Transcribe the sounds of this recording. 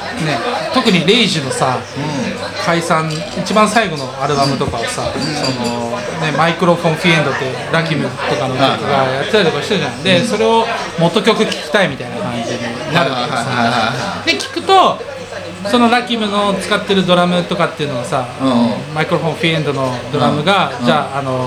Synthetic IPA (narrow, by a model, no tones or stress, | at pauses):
ne̞t̪o̞kɯ̟ɲ̟iɾe̞iʑino̞sa | kaisãn | it͡ɕibãɰ̃saiɡo̞no̞aɾɯ̟bamɯ̟t̪o̞kaβasaso̞no | ne̞maikɯ̟ɾo̞ɸõ̞ɰ̃ɸiẽ̞nd̪o̞t̪ːe | ɾakʲimɯ̟t̪o̞kamookɡajat̪ːet̪ait̪okaɕit̪eɯanand̪e̞so̞ɾe̞o̞mo̞t̪ːo̞kʲo̞kɯ̟kʲi̥kʲi̥t̪aimʲit̪ainakãɲd͡ʑiɲinaɾɯa | d̪e̞kʲi̥kɯ̟t̪o̞ | so̞no̞ɾakʲimɯ̟not͡sɨ̥kat̪ːe̞ɾɯ̟d̪o̞ɾamɯ̟t̪o̞kat̪ːe̞iɯ̟no̞ɡasa | maikɯ̟ɾo̞ɸõɸiẽ̞nd̪o̞no̞d̪o̞ɾamɯ̟ɡad͡ʑaːno̞